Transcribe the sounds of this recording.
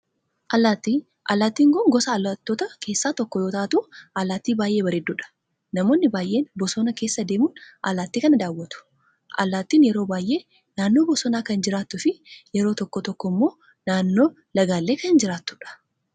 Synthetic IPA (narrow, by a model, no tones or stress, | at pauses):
ʔɐlaːt̪ːiː | ʔɐlːaːt̪ːiːŋkʊŋɡɔsɐːlːaːt̪ːoːt̪ɐkʰe̞ːsːaːt̪ɔkːɔjoːt̪ɐʔːt̪ʊʔɐlaːt̪ːiːbaːjʔe̞ːbɐɾɛd̪ːuːᶑɐ̥ | nɐmo̞ːnːɪbaːjʔe̞ːnbɔsɔnɐke̞ːsːɐd̪eːmuːnʔɐ̰laːt̪ːiːkɐnɐd̪aːwːɐt̪ʊ̥ | ʔɐ̰lːaːt̪ːiːnjɛɾo̞ːbaːjʔe̞ː | naːnːo̞ːbɔsɔnaːkɐnd͡ʒɪɾaːt̪ːʊfɪjɛɾo̞ːt̪ɔkːɔt̪ɔkːɔmːo̞ː | naːnːo̞ː | lɐɡaːlːe̞ːkɐɪnd͡ʒɪɾaːt̪ːʊᶑɐ̥